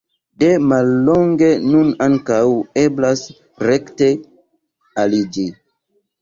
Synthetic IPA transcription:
de̞malːoŋɡe̞nunaŋkaweblas | ɾekte̞ | alid͡ʒi

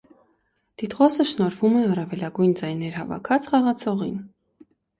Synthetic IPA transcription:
d̪̥it̪ʁɔsəʃnɔɾvumɛɑrɑvɛlɑɡujnd͡zɑjnɛɾhɑ̰vɑ̰kʰɑt͡sʰχɑʁɑt͡sʰɔʁḭn

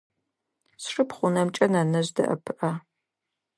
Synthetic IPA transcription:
sʂɨpχʷʊnɐmt͡ʃʼɐnanɐʑdɐ̰ʔɐ̰pʰɨʔɐ

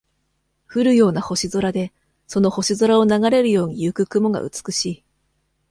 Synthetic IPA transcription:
ɸɯ̟ɾɯ̟jo̞ːnaho̞ɕizo̞ɾad̪e̞ | so̞no̞ho̞ɕizo̞ɾao̞naɡaɾe̞ɾɯ̟jo̞ːɲ̟ijɯkɯ̟kɯ̟mo̞ɡa̰ʔɯ̟̰t͡sɨ̥kɯ̟̥ɕiː

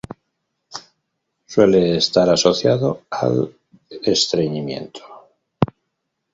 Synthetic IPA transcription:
swe̞le̞ːst̪aɾaso̞θjaðo̞a̰l | est̪ɾeɲimjẽ̞̰nt̪ʰo̥

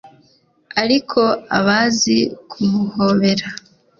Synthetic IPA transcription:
aɾikʰo̞aβazikʰumuho̞ːβe̞ɾa

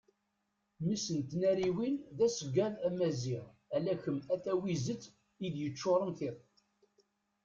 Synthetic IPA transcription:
misənt̪næɾiwinðæsəɡːæðæmæziʁ | ælæçəmæθæwizət͡sː | iðjət͡ʃːoɾˤəmθɪð

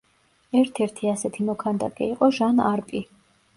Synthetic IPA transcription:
ɛɾt̪ʰɛɾt̪ʰiasɛt̪ʰimɔkʰand̪a̰kʼɛ̰iqʼɔʒanaɾpʼi

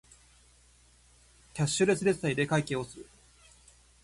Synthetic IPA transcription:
kʲaɕːɨɾe̞sɨɾe̞said̪e̞kaike̞ːo̞sɨɾɯ̟

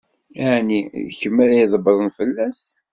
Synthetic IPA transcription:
əʕniçəmːælæjðˤəbəɾˤənfəlːæs

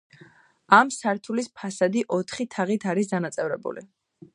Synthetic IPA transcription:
amsaɾt̪ʰulispʰasad̪iʔɔt̪ʰχit̪ʰaʁit̪ʰaɾis̬d̪anat̪sʼɛvɾɛbṵlḭ

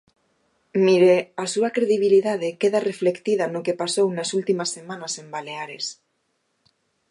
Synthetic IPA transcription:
miɾeasuakɾeðiβ̞iliðað̞ekeðare̞fle̞kt̪ið̞anokepasownasult̪imasːemãnase̞mbale̞aɾes

